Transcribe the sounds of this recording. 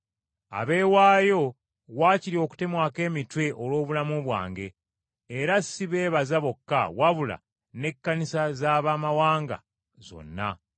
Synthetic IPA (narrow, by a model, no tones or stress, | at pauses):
a̰βe̞ːwaːjo̞ | waːciɾio̞ːku̥te̞mwaːke̞ːmitwe̞ʔolwo̞ːβulamuβwa̰ːŋɡe̞ː | ɾasːiβe̞ːβazaβo̞kːa̰waβula̰ | ne̞kːanisazaːβamawaːŋɡa̰ | zo̞̰nːa